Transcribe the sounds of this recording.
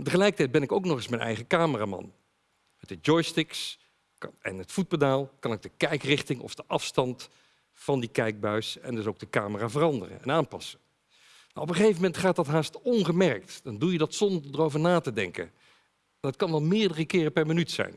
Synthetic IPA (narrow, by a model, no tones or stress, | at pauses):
təχəlɛjkətɛj̚bɛnɪkowknɔχɪsmɛnʔɛ̰jχəkaːməraːmɑ̰n | mətəd͡ʒɔjstɪks | ɛ̰nətfut̚pədaːlˠkɑnɪɡ̚dəkɛjkrɪχtɪŋɔ̰fd̥əʔɑfstɑnt | fɑndikɛjɡ̚bœɥsɛ̰ndɵsowɡ̚dəkaːməraːvərɑndə̰rə̰nɛnaːnpɑ̰sə | na̰wɔpəχejvəmɛntχaːtɑtɦaːstɔnχəmɛrk̚td̥ɑndujədɑtsɔndəɹdərowvəɹnaːtədɛŋkə̰n | nətkɑnʋɑlˠmɪːɹdərəkɪːrəpɛɹmənytsɛ̰jn